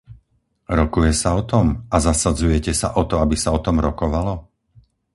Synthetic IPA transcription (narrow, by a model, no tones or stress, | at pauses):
ɾɔkujɛsaɔt̪ɔmazasad͡zujɛcɛsa̰ʔɔt̪ɔabisaɔt̪ɔmɾɔkɔʋalɔ